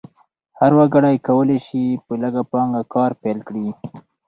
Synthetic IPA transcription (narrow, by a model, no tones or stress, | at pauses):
haɾwaɡaɽajkawəleʃipələɡapɑŋɡakɑɾpelkɽi